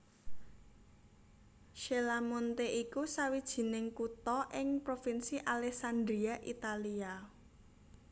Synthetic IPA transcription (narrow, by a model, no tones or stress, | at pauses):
ʃelamont̪eʔikusawid̥ʒ̥i̤nɪŋkut̪ɔʔɪŋpɾofinsiʔalɛksand̪ɾiaʔḭt̪alia